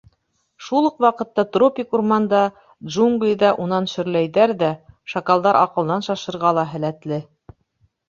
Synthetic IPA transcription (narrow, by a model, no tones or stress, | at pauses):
ʃulˠɤqwɑqɤ̆t̪ːɑt̪ropʲikurmɑnd̪ɑ | d̪ʒuŋɡlʲiðɑʔunɑnʃɵ̆ɾlæjðæɾðæʃɐkɑlˠd̪ɑɾʔɑ̰qɤ̆lˠnɑnʃɑʃɤ̆ɾʁɑlˠɑɦɘ̆læt̪lɘ